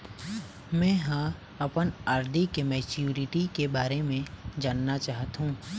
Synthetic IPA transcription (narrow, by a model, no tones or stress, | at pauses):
mɛ̃ːɦã | ɐpənaːɾd̪ʱikemɛːt͡ʃjuːɾɪʈikebaːɾemẽd͡ʒaːnːat͡ʃaːɦət̪ɦũː